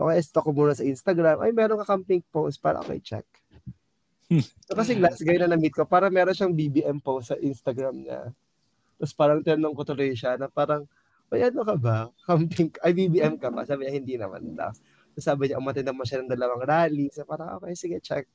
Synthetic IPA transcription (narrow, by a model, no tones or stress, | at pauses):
ʔo̰kɐʔɛst̪okomuːnɐsɐʔinst̪ɐɡɾamʔɐ̰jmɛːɾoŋkɐkampɪŋ̚powst̪̚paːɾɐ̰ʔo̰ko̰jt͡ʃɛ̰k̚ | sokɐs̬ɛɡlasɡɐjonːɐnɐmit̪̚kopaːɾɐŋmɛːɾonʃaŋbibiʔɛmpowst̪sɐʔinst̪ɐɡɾamɲa̰ | t̪ospaːɾɐŋt̪ɛɾnoŋkot̪ʊlojʃanɐpaːɾɐŋ | ʔojʔɐnokɐbakampɪŋkʔɐjbibiːʔɛmkɐba̰saːbɪɲahɪnd̪inɐma̰nd̪a̰ | ɐsaːbɪɲaʔʊmɐt̪ɪnɐmɐnʃanɐŋd̪ɐlɐwaŋɾaːliŋsɐpaːɾɐŋʔo̰kɐjsɪɡɐt͡ʃɛ̰k̚